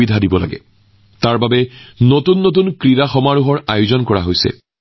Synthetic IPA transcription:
idʱadibɔla̰ɡɛ̰ | taɹbabɛnotunːot̬unkɹiɹaxɔmaɹuɦɔɹajʊzɔnkɔɹa̰ɦojsɛ̰

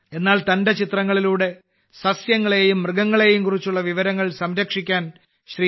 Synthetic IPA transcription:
e̞nːaːlt̪ɐnde̞t͡ɕit̪rɐŋːɐɭiluːɽe̞ | sɐsjɐŋːɐɭe̞jumːrɨɡɐŋːɐɭe̞jumkurit͡ɕːuɭːɐʋiʋɐɾɐŋːɐɭsɐmɾɐkʂikʲːaːn | ɕri

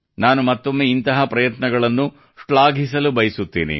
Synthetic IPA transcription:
naːnumɐt̪ːo̞mːeint̪ɐɦɐpɾɐjɐt̪nɐɡɐɭɐnːu | ʂɭaːɡʱis̬ɐlubɐjɐsut̪ːḭːnḭ

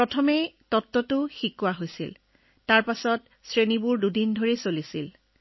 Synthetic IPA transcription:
pɹɔtʰɔmejtɔtːɔtʊxikːʊwaɦojsḭl | taɹpasɔt | sɹenibuɹdudindʱoɹesolisil

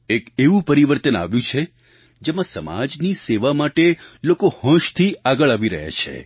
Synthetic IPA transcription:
ekeʋũpəɾiʋəɾt̪əna̰ʋjũt͡ʃʰe | d͡ʒemãsəma̰d͡ʒniseʋamaʈelokohə̃ʃt̪ʰiaɡəɭaʋiɾə̰ɦa̰t͡ʃʰḛ

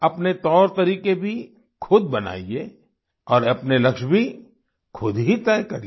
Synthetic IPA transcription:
ɐpnet̪ɔːɾt̪ɐɾiːkebʱi | kʰʊd̪̚bɐna̰ːie | ɔːɾɐpnelɐkʃbʱi | kʰʊd̪ɦit̪ɛːkɐɾi

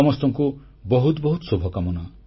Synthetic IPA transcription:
ɔmɔst̪ɔŋku | bɔɦut̪bɔɦut̪ɔsobʱɔkamɔna

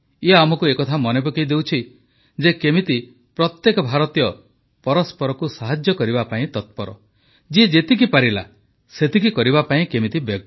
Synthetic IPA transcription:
iɦaamɔkuekɔt̪ʰamɔnepukejd̪ewt͡ʃʰi | d͡ʒekemit̪i | pɾɔt̪jekɔbʱaɾɔt̪ijɔ | pɔɾɔspɔɾɔkusaɦad͡ʒjɔkɔɾibapaĩt̪ɔt̪̚pɔɾɔ̰ | d͡ʒied͡ʒet̪ik̬ipaɾila̰ | set̪ikikɔɾibapaĩkemit̪ibjɔ

